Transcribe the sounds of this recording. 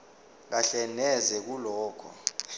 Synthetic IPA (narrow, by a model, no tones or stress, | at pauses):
k̬aɬɛnɛzɛk̬ulɔːkʰɔ̰